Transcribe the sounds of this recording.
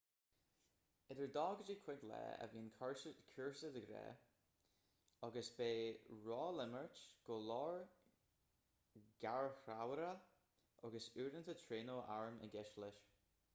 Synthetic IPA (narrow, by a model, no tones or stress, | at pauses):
ɛdəɹd̪ɑːɡəd͡ʒəkʰw̥ɪɡlɛ̰ːə̰viːnkʰɔɹkʰuɹsədəɡɾɛ̰ː | ɑɡəsbeːɹɔːlɪməɹtɡ̥oːlɔɹ | ɡ̥aɹxɾawəɾə | ʔɑɡəsuːɾənt̪ʰətʰɹeːnoːʔaɹmə̰ɡɛʃlɪʃ